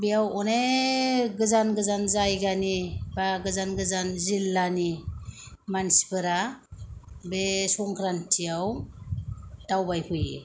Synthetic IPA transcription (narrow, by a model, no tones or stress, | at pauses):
bijawɔne | ɡɯzanɡɯzanzajɡanibaɡɯzanɡɯzanzilːani | mansi̥pɯɾa | besɔŋkʰɾantʰijaw | d̥awbajpʰɯjḛ